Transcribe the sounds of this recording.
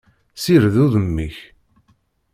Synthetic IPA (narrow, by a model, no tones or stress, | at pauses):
siɾðuðəmːiç